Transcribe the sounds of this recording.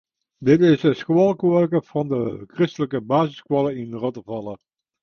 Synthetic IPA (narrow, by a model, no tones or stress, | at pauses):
dɪtɪsəskwɔlˠkʋœrkəv̥ɑndəkrɪstələkəbaːzɪskʋɔləɪnrɔtəvɑlə